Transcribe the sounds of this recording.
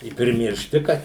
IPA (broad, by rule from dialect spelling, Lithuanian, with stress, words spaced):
ɪ pʲrʲɪmʲɪrʲˈʃʲtʲɪ ˈkɐt